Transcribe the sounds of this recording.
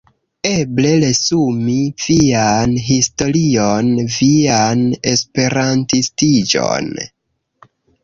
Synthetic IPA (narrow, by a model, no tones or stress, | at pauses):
e̞ble̞le̞sumiv̥ianɦisto̞ɾionviane̞spe̞ɾantistid͡ʒo̰n